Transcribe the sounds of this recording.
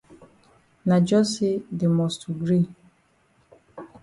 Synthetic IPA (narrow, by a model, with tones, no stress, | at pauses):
na˨d͡ʒɔ˦se˦de˨mɔ˨stu˨ɡɾi˦˨